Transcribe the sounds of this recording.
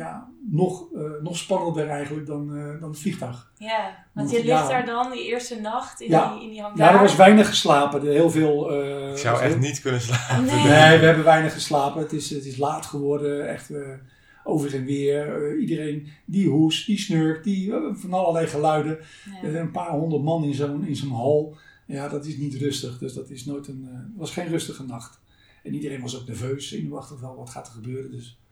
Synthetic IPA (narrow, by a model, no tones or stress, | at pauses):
janɔχnɔχspɑnəndərɛjχənlək̚dɑndɑnətfliχtɑχ | ɔnljaddɑndəɪɹstənɑχtɪjanjadəɹʋɪsʋɛjnəχəslaːpəɦɪːlˠveːlˠəsa̰wɛtnitkɵnəs̬laːpneːjʋəɦɛbəʋɛjnəχəslaːpəətɪsətɪslaːtχəʋɔrdəɛ̰χtə | owvərənʋɪəɹidərejndiɦusdisnøɹkdifɑnɑlˠəlɛjχəlœɥdəəzɛnə̃npaːrɦɔndərtmɑnɪnzonɪnzonɦɔlˠjadɑtɪsnitrɵstəχdøsdɑtɪsnojtənʋɑsχejnrøstəχənɑχt | ɛnidərejnʋɑsowk̚nɛɹvøːsɪ̰knyɑχtətʋɛlˠʋɑtχa̰ːtərχəbøːrəndøs